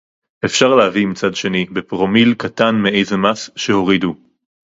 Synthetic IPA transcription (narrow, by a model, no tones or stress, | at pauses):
ʔefʃaʁleavimit͡sadʃe̞nibepʁo̞milkatanmeejzemasʃeho̞ʁidu